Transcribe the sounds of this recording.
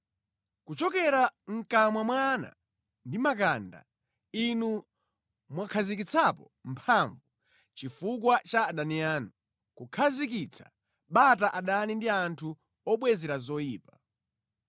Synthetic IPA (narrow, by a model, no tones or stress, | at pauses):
kut͡ʃɔkɛɾaŋ̩kamwamwana̰ | ndimakanda̰ | inu | mwakʰazik̬it͡sʰapɔ | mpʰaɱvu | t͡ʃifukwat͡ʃaːɗaniaːnu | kukʰazik̬it͡sʰḁ̰ | ɓataʔaɗanindiantʰu | ɔɓwɛzɛɾazɔjiːpa